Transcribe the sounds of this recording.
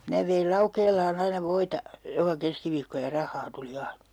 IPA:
minæ ʋeil lɑukeːlˑɑːn ɑinɑ ʋoitɑ jokɑ keskiʋiːkːo jɑ rɑhˑɑː tuli ɑinɑ̥

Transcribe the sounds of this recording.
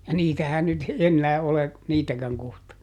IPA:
jɑ niːtæhæn nyt enːæː ole niːtækæŋ kohtɑ

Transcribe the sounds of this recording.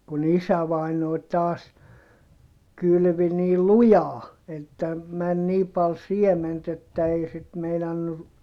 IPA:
kun isæʋɑˑinoˑi̯ tɑːs kylʋi niː lujɑː etːæ mæn niː pɑl siement etːæ ei sit meinɑnːu

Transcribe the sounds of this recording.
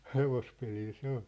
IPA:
heʋospelil se ol̥

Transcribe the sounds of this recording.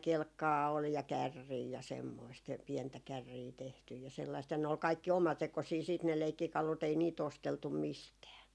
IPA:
kelkːɑː ol jɑ kærːiː jɑ semːoist jæ piɛntæ kærːiː tehtyj jɑ selːɑist jɑ ne ol kɑikːi omɑtekosiː siːt ne leikːikɑlut ei niːt osteltum mistæː

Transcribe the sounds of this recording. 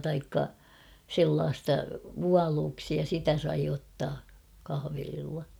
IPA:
tɑikːɑ selːɑːstɑ ʋuɑluːksi jɑ sitæ sɑi otːɑː kɑhɑ̆ʋelilːɑ

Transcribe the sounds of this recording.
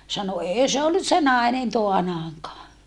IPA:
sɑno eː se olːus se nɑˑenen toɑnɑːŋkɑː

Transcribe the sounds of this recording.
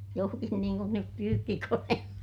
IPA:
johkin niːŋ kun nyp pyːkːikoneːlːɑ

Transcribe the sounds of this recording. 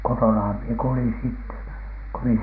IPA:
kotonɑhɑm mie kulin sitːe ko mi

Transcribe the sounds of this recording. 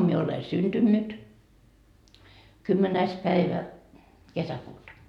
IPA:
mie ole synd̥ynːyt kymːenæis pæiʋæ kesækuːtɑ

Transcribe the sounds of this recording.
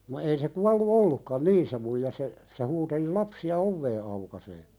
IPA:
no ei se kuɑlːu olːukːɑn niː se muijɑ se se huːteli lɑpsiɑ oʋːeː ɑukɑseː

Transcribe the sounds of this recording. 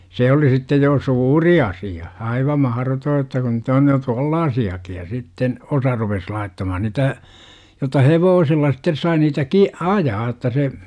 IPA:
se oli sitːej jo suːri ɑsiɑ ɑiʋɑ mɑhrotoː etːæ kun nyt on jo tŭolːɑːsiɑki jɑ sitːen osɑ rupes lɑitːɑmɑhɑn nitæ jotɑ heʋoːsilːɑ sitːes sɑi niːtæ ki ɑjɑː otːɑ se

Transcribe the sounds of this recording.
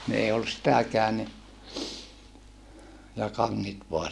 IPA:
ni ei olːus sitækæːn ni jɑ kɑŋːit ʋoɑ

